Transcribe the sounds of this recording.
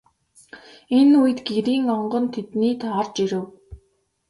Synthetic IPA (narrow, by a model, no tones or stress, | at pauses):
enuj̆t̪ɡeɾiːŋɔɴɢɞ̆nt̪ʰet̪niːt̪ʰɔrt͡ɕiɾɘ̆w